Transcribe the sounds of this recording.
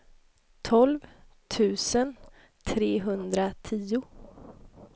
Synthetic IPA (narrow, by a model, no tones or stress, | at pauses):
t̪ʰɔlv | t̪ʰʉ̟ːsən | t̪ʰɾeːɦɵnd̪ɾat̪ʰiːʊ